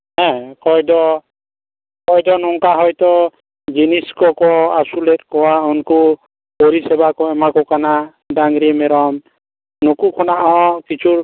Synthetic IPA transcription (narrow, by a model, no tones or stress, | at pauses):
ɦɛ̃kɔjdɔ | kɔjdɔnɔŋkaɦɔjt̪ɔ | d͡ʒiniskɔkɔasulet̚kɔwaɔnku | oɾisɛbakɔɛmakɔkana | daŋɡɾimɛɾɔm | nɔkukʰɔnaʔɔkit͡ʃʰuɾ